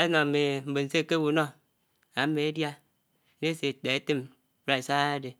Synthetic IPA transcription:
e˦nɔ˨me˨m̩˨be˨n̩˨se˦˨ke˦wu˨no˦ | a˨˦me˨e˦dja˦ | ne˦se˨de˨e˦te˦m | ɾa˨sa˦a˦de˨

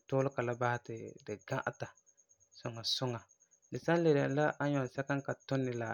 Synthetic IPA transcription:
tʊː˦lɪ˦ka˨la˦ba˦hɪ˦tɪ˨dɨ˨ɡã˦ʔa̰˦ta˨ | sʊ˨ŋːa˨sʊ˦ŋa˨ | dɨ˨sa˦n˦le˨da˨n˨˦la˦ʔa˦ɲɔ˨sa˦ka˦ŋka˨tʊ˦nːɪ˨la˨

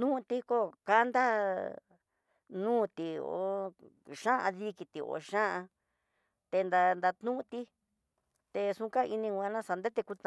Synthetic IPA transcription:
t̪nũ˦˧t̪i˧˦ko˦ka˦nd̪a˦ | nũː˦t̪i˧o̰˧˦ | ʃã˦ʔã̰˧ði˦ki˧t̪i˨o̰˧˨ʃã˦ʔã˧ | t̪e˧nd̪a˧nd̪a˧t̪nũ˦˧t̪i˦ | t̪e˧sũ˧ka˦˧ʔi˧nĩ˧ɡʷã˧nã˦sa˧nd̪e˦t̪e˧ku˧t̪

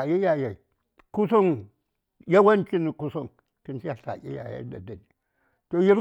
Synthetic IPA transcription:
ji˦ja˨ja˨i˨ | ku˦so˦n | ja˦wa˦nt͡ʃi˦ni˨ku˦so˦˨n | ti˦nt͡ʃi˦ja˨ɬa̰˨ʔḭ˦ja̰˨ja̰˦da˨da˨ni˨ | to˨ji˦ɾ

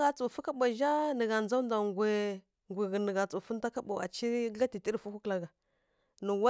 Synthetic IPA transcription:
ɣa˨t͡su˨fu˦ka˦ɓʷa˨ʒa˦nə˨ɣa˨nd͡za˦u˦n˦da˨ŋɡʷe˨ | ŋɡʷi˨ɣə˨nə˨ɡa˨t͡su˨fu˦n˦da˦ka˦ɓa˨a̰˨t͡ʃi˦a˦ti˨ti˦ɾfu˦ku˦kla˨ɡa˨ | nə˨wa˦

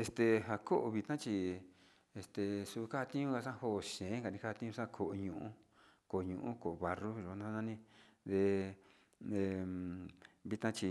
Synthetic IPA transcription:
e˧st̪e˧ɦa˧ko˦ʔo˧βi˧t̪ã˦t͡ʃi˧ | e˧st̪e˨su˧ka˦a˧t̪ĩ˦ɲũ˦ka˧sã˦˧ho˦˧˨ʃẽ˨˦ŋɡa˨nĩ˧ka˦a˧t̪ĩ˦ɲũ˧ʂã˦˧kʰo˨ʔɲũ˧˨ʔũ˦ko˨o˨˧ɲũ˧˨ʔũ˦ko˨ʔo˧βa˧ru˦ʒo˨˦nã˧˦˧ã˦nĩ˦ðe˧ | e˧ | βi˧t̪ã˦t͡ʃi˧

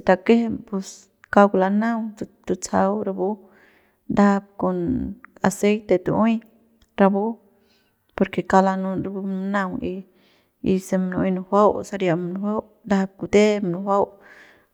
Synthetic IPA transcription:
t̪a˧ke˦he˦˧mpu˧s | ka˧kla˧nã˦wt̪t̪u˧t͡sa˧wɾa˧bu˦ | nd̪a˦a˧b̚ko˧na̰˨se˦jt̪e˨˧t̪u˧õ˦j | ɾa˧bu˦ | po˧ɾke˨ka˧la˧nũ˧ɾa˧bu˧nã˦wi˧ | i˧se˧m˧nõ˧˦nũ˧hʷa˦wsa˧ɾja˧mnũ˧wʷa˦w | nd̪a˦a˧b̚ku˨˧t̪e˦mnũ˧hwʷa˦w

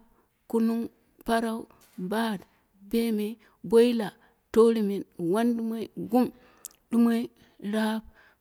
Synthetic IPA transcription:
ku˦nu˦ŋ | pa˦ɾa˦u˦ | ba˦˨d | be˦me˨ | bo˦i˦la˨ | to˦ɾi˨mi˨nwa˦ndi˦mo˦i˦ɡu˦m | di˦mo˦i˦ | ɾa˦b̚

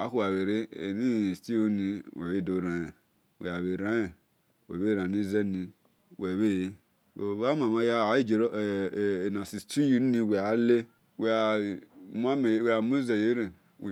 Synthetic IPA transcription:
a˨˦ku˦a˨we˨ɾe˦e˨ni˦˨sti˦o˦ni˨we˨we˦˨do˨ɾã˨je˨ | wḛ˨a˨βe˨ɾã˦e˨ | wḛ˨βe˦˨ɾã˨ni˦ze˦ni˧ | we˨βe˦ | we˨βa˦ma˨ma˧ja˦˨˦i˦d͡ʒe˨ɾna˨si˨sti˦ji˦n˦ni˧we˨a˨˦le˦ | we˨a˨m˦a˦me˨˦˨wa˨mo˦ze˨je˦ɾe˨ | w

